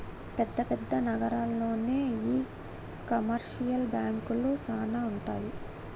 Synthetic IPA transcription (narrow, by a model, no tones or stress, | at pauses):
pɛd̪ːɐpɛd̪ːɐnɐɡɐɾaːlːo̞ːne̞ːiː | kɐmɐɾʂijɐlbjaːŋkulusaːnaːuɳʈaːji